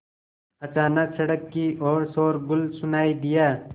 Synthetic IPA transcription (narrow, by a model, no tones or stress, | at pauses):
ət͡ʃaːnəksəɽəkːiːʔoːɾsoːɾɡʊlsʊnaːiːd̪ɪjaː